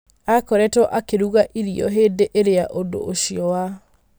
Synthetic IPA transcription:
akɔɾɛtɔʔakeɾuɣaʔiɾiɔ̰ɦeːdeʔeɾeaʔondo̰ʔːɕiɔwa

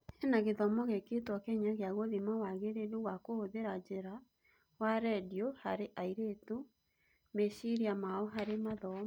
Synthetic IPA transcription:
enaɣeðɔmɔɣeketwɔkɛɲaɣeaɣoðimawaɣeɾeduɣwakooðeɾad͡ʑeɾa | waɾɛdiohaɾeʔaiɾetu | meʃiɾiamaɔɦaɾemaðɔ

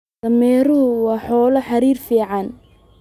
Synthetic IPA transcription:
ɐmɛːɾʊɦʊwɑːħɔːlɐħɑɾiːrfiːʕɑn

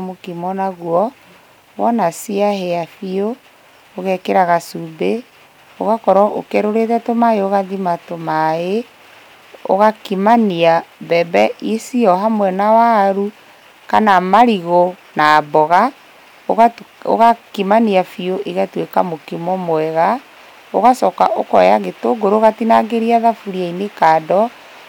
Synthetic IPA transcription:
mokimɔnaɣwɔ | wɔnasiaɦɛafio | oɣɛkeɾaɣasube | oɣakɔɾɔʔo̰kɛɾoɾeðɛtomaeoɣaðimatomae | o̰ɣakimaniabɛbɛʔisiɔɦamwɛnawaɾu | kanamaɾiɣonaːbɔɣa | oɣao̰ɣakimaniafioʔiɣatwekamokimɔmwɛɣa | oɣasɔka̰ʔokɔjaɣetoɡoɾoɣatinaɡeɾiaðafuɾiainekaːdɔ

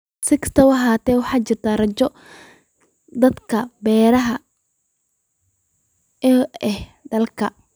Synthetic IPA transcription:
sɪkst̪ʰɐwɐɦaːt̪ʰɛːwɑħɑːt͡ʃɪrt̪ʰaːrɐt͡ʃɔ | d̪ɐd̪kʰɐbɛːɾɐɦɐ | ɛːɛhɖɐlkʰɐ̰

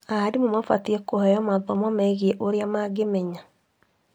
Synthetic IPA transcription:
aːɾimomafatiɛkohɛjɔmaðɔmɔmɛɛɣieʔoɾeamaɡemɛɲa

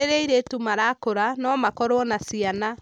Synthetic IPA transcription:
eɾeiɾetumaɾakoɾanɔmakɔɾowɔnasiana

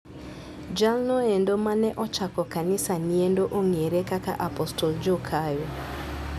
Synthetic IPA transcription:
d͡ʒalnɔɛndomanɛʔɔt͡ʃakɔkanɪsaniendoʔoŋeɾekaka̰ʔapɔstɔld͡ʒokʰajo

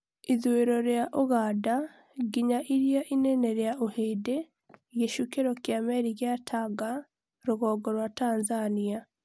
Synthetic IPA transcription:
iðweɾɔɾjaʔoɣaːda | ɡiɲaʔiɾjaʔineneɾeaʔoheːde | ɣeʃukeɾɔkjamɛɾiɣjatʰaɡa | ɾoɣɔːɡɔɾwataːnzania

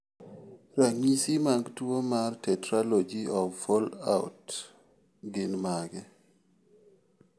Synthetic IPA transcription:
ɾaŋisimaɡdwomartɛtɾalod͡ʒiɔfɔla̰ʊ̰t | ɡɪnmaɡɛ

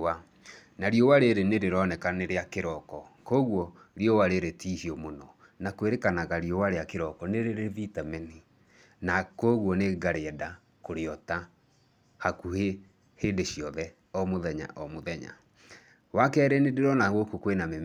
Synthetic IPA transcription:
a | naɾjɔwaɾeɾeneɾeɾɔnɛkaneɾeakeɾɔkɔkoɣwɔ | ɾijɔwaɾeɾetihiɔmonɔ | nakweɾekanaɣaɾiɔwaɾeakeɾɔkɔneɾeɾeðitamɛni | nakoːɣwɔneɡaɾeɛda | koɾeɔta | hakuhe | heːndeɕiɔðɛ | ɔmoðɛɲa̰ʔɔmoðɛɲa̰ | wakɛːɾenedeɾɔnaɣokokwename

